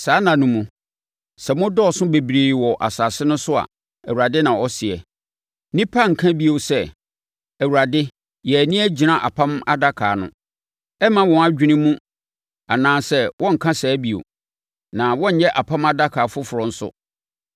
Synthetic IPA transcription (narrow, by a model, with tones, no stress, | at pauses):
saː˨˦nã˨nũ˨mũ˨ | sɛ˨mʊ̃˦dɔ˦˨sʊ̃˦be˨bɾiː˨wɔ˨ʔa̰˨saː˨sɪ˦nʊ̃˦sʊ˦a̰˨ | æ˨u˨ɾa˨dɪ˦nã˨ɔ˦sɪ˨ɛ̰˨ | nĩ˦pʰa˦ŋ̩˨kʰã˦bi˦o˨sɛ˦˨ | æ˨wu˨ɾa˨dɪ˦ | jɛ˨æ˨nĩ˦æ˦d͡ʑi˨nã˨ʔa̰˨pʰã˦ma˦da˦kʰaː˨nʊ̰̃˦ | ɛ˦mã˦wɔ̃˨a˨d͡ʑᶣi˦nĩ˦mũ˦ | a˨nãː˦sɛ˦wʔɔ̃˦ŋ̩˨kʰã˦sɛː˨˦bi˨o̰˨ | nã˨wɔ̃˦ɲ̩˨˦jɛ˦ʔa˨pʰã˦ma˦da˦kʰaː˨fʊ˦fʊ˨ɾɔ̃˨n̩˦sʊ̰˦